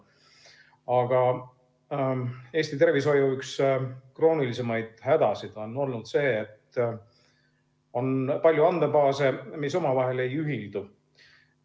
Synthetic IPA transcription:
ɑɡ̥ɑ | e̞ːst̪it̪e̞rviso̞juykskro̞ːnilise̞mɑjd̪̥hæd̪̥ɑsid̪̥o̞nːo̞lnud̪̥se̞ːt̪ː | o̞npɑlʲjuɑnd̪epɑːse̞mis̬o̞mɑvɑɦe̞le̞jyɦild̪̥u

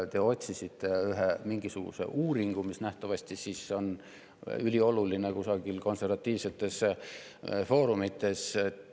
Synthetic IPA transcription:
t̪eo̞t̪ʲsisit̪ːˑeyɦemiŋɡ̥isuɡ̥ṵse̞̰ʔuːɾiŋɡ̥umisnæht̪ɑvɑsʲt̪isiso̞n | ylʲio̞lulinekusɑɡ̥ilko̞nse̞rvɑt̪ʲːˑiːvse̞t̪ːˑe̞s | fo̞ːɾumit̪ːˑe̞s

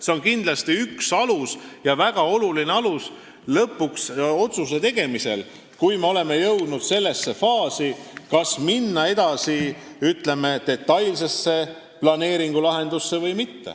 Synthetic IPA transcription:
se̞onkind̪lɑst̪iyksɑlusjɑvæɡ̥ɑo̞lulineɑlus | lɤpːˑukso̞t̪sus̬e̞t̪e̞ɡ̥e̞mise̞̰l | kujmeo̞le̞me̞jɤwd̪̥nud̪̥se̞lːe̞sːe̞fɑːsikɑsminːɑe̞d̪̥ɑsi | yt̪le̞me̞t̪e̞t̪ːɑjlse̞sːe̞ | plɑne̞ːɾiŋɡ̥ulɑɦe̞nd̪̥usːe̞vɤjmit̪ːḛ

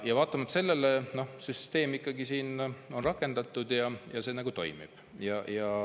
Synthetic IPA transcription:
jɑvɑːt̪ːˑɑmɑt̪se̞lːe̞leno̞hsyst̪e̞ːmikːˑɑɡisiːno̞nrɑkːˑe̞nd̪̥ɑt̪ːˑud̪̥jɑjɑse̞ːnɑɡ̥ut̪o̞̰jmḭb̥ | jɑjɑ

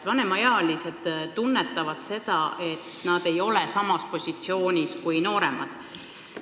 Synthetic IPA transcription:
vɑne̞mɑjɑːlʲise̞d̪̥t̪unːe̞t̪ːˑɑvɑd̪̥se̞d̪̥ɑe̞t̪nɑd̪e̞jo̞lesɑmɑspo̞sʲit̪sio̞ːnʲiskujno̞ːɾe̞mɑ̰d̪̥

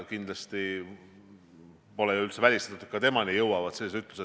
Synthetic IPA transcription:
kind̪̥lɑst̪i | po̞lɛjuylt̪sevælʲist̪ɑt̪ut̪kɑt̪e̞mɑnijɤwɑvɑt̪selːesyt̪luse

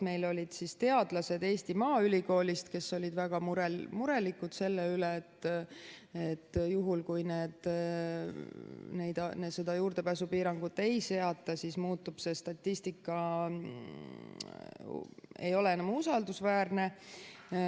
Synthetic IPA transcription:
me̞jlo̞lʲid̪̥sist̪e̞ɑd̪̥lɑse̞d̪e̞ːsʲt̪imɑːylʲiko̞ːlʲist̪ke̞sːo̞lʲid̪væɡ̥ɑmuɾemuɾe̞likːud̪̥se̞lːeyleːt̪ː | et̪ːjuɦulkujne̞ːd̪̥ | ne̞jd̪ned̪se̞d̪̥ɑjuːɾrd̪e̞pæːsupiːɾɑŋɡ̥ut̪ːe̞jse̞ɑt̪ːˑɑsismuːt̪ːˑub̥se̞st̪ɑt̪ʲːist̪ikːˑɑ | e̞̰jo̞le̞enɑmusɑld̪usvæːrne̞

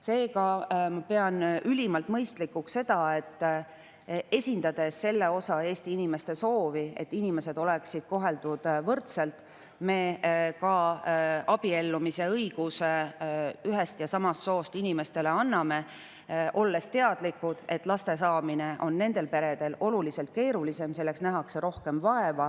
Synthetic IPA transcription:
se̞ːkɑmɑpe̞ɑnʔylʲimɑlt̪mɤjst̪likːukse̞d̪̥ɑe̞t̪ː | e̞sʲind̪̥ɑd̪̥e̞sse̞lːe̞o̞sɑe̞ːst̪iinime̞st̪e̞so̞ːvie̞̰t̪ːinime̞se̞d̪̥o̞le̞ksid̪̥̚ko̞ɦe̞ld̪̥ud̪̥vɤrt̪se̞lt̪ | me̞kɑ | ɑb̥ie̞lːumise̞ɤjɡ̥us | yɦest̪jɑsɑmɑst̪so̞ːst̪inime̞st̪e̞le̞ɑnːɑme̞ | ʔo̞lːe̞st̪e̞ɑd̪̥likːud̪̥e̞t̪ːˑlɑst̪e̞sɑːmine̞ʔo̞nːe̞nd̪̥e̞lpe̞ɾe̞d̪̥e̞lo̞lulise̞lt̪̚ke̞ːɾulise̞mse̞lːe̞ksnæɦɑkse̞ɾo̞hke̞mvɑevɑ

